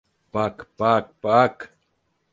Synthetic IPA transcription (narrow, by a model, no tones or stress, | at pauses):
pakpak̚pak